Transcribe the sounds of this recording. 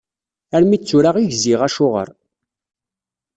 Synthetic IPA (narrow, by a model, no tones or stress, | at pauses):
æɾmit͡sːʊɾaʁiʝziʁæʃʊʁə̰ɾˤ